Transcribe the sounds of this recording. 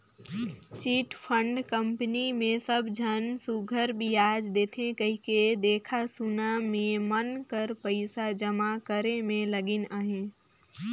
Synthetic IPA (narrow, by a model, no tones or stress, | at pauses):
t͡ʃiʈpʰə̃ɳɖkə̃mpnimẽsəbʱd͡ʒʱənsuɡʱəɾbʱijaːd͡ʒd̪eːt̪ʰẽkəɦiked̪eːkʰasunamẽmənkəɾpəɪsad͡ʒəmakəɾemẽləɡɪnəɦẽ